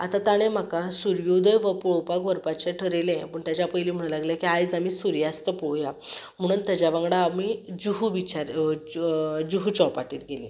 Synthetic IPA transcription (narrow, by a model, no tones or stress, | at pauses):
a̰t̪at̪aɽ̃ẽm̤akasuɾjod̪əjʋəpɔɭpakʋəɾpat͡ɕeʈʰəɾelẽpəɳt̪jat͡ɕapəjliːm̤əɽ̃alaɡljakiajd͡zamisuɾjast̪əpɔwjam̤əɽ̃uːnt̪jad͡ʑjaʋãŋɡɽaːmid͡ʑuɦuʋit͡ɕaɾ | d͡ʑuɦut͡ɕɔpaʈiːt̪ɡeli